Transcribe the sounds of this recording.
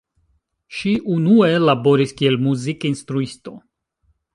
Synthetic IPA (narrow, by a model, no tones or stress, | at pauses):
ʃiʔunue̞labo̞ɾiskie̞lmuzikinst̪ɾuist̪o̞